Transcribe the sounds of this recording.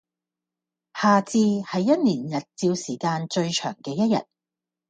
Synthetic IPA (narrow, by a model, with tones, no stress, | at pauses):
haː˨t͡siː˧hɐ˨jjɐ˥t̚niː˨˩njɐ˨t̚t͡siː˧wsiː˨˩kaː˧nt͡ʃɵ˧ɥt͡ʃʰœ̰ː˨˩ŋkɛː˧jɐ˥t̚jɐ̰˨t̚